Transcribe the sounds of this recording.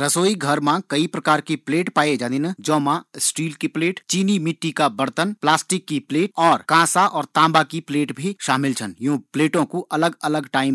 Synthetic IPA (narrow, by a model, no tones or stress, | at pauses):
ɾəsoːiɡʱɐɾmãkɐipɾɐkaːɾkipleːʈpaːed͡ʒãːd̪inãd͡ʒɔːmãsʈiːlkipleːʈt͡ʃiːnimɪʈːikabɐɾt̪ənplaːsʈɪkːipleːʈ̚ɔːɾkãːsaʔɔːɾt̪ãːmbakipleːʈbʱiʃaːmɪlt͡ʃʰənjũːpleːʈõkuʔɐləɡɐləɡʈaːɪm